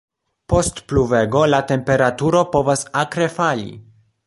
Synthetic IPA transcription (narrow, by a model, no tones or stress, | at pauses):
po̞stpluve̞ɡo̞late̞mpe̞ɾatuɾo̞po̞vasakɾe̞falḭ